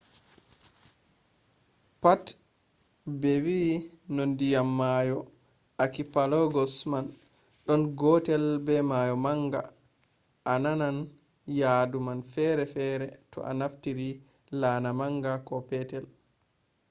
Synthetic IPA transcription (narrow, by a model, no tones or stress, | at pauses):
pat | bɛwi | nondijamːajɔ | akipalɔɡɔsman | ɗɔnɡɔtɛlbɛmajɔmaŋɡa̰ | ʔananan | jadumanfɛɾɛfɛːɾɛtɔ̰ʔa̰naftiɾi | lanamaŋɡakɔpɛtɛl